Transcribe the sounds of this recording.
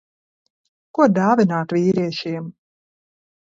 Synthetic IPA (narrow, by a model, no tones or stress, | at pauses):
kud̪aːvʲinaːt̪vʲiːɾiɛʃiɛm